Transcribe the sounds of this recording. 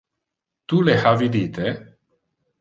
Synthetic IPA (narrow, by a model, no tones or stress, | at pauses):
t̪uleħavid̪it̪e